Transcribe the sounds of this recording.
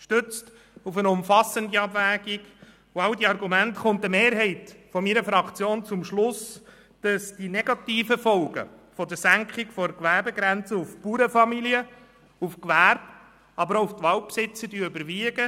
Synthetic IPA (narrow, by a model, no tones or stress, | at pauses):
ʃtʏt͡st | ufənʊmfɑsəndiɑbvæːɡiɡ | ʊɑwdiɑɾɡumæntχʊntəmeːɾɦɛɪtfɔmiɾəfɾɑkt͡sjoːnt͡sʊmʃlʊs | d̥ɑsd̥inɛɡɑtiːfəfɔlɡə̰ | fɔdəsæŋkχɪkfɔɾkʋæɾbɛɡɾɛnt͡səʊfpuːɾəfɑmiliə | ufkʋærb | ɑbəɾoʊft̪ʋɑlpsɪt͡səɾdyːøbəɾʋiəɡə